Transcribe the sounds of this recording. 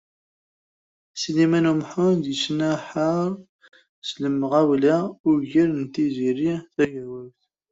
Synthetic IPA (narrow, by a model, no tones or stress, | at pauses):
slimænumħʊnd̪jəsnæħəɾˤ | sləməʁæwlæʊɾʝiɾnt̪iziɾiθæʝæwəlθ